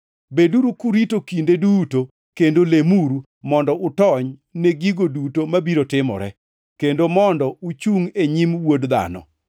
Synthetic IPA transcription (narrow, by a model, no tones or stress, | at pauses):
beduɾukuɾitokindeduto | kendolemuɾu | mɔndɔʔʊtɔɲneɡiɡodutomabiɾotɪmɔ̰ɾɛ | kendomɔndɔut͡ʃuŋeɲimwodd̪a̰nɔ̰